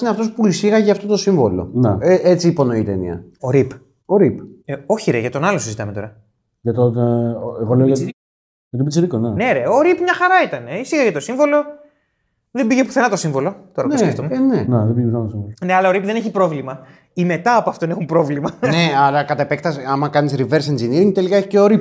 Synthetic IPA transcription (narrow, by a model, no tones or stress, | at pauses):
ineɐft̪o̞spuisiɣɐʝɐːft̪o̞t̪o̞siɱvo̞lo̞̰neeʔet͡siːpo̞no̞it̪enḭɐ̰o̞ɾip | o̞ɾipeo̞çiɾeʝɐt̪o̞nɐlosizit̪ɐme̞t̪o̞ɾɐ | ʝɐt̪oneɣoleoo | jɐt̪ibit͡sɾikoneneɾeo̞ɾipmɲɐxɐɾɐit̪ɐne̞isiɣɐʝɐt̪o̞siɱvo̞lo̞ | ðe̞mbiʝepu̥θenɐt̪o̞siɱvolo̞t̪oɐoseft̪omuneneðebijepuθenɐt̪osiɱvolne̞ɐlɐo̞ɾipðe̞ne̞çipɾo̞vlimɐ | ime̞t̪ɐːpoɐft̪onexumpɾo̞vlimɐne̞ɐlɐkɐt̪epek̚t̪ɐsɐmɐkɐnisɾiveɾsenziniɾiŋt̪e̞likɐe̞çi̥ceoɾip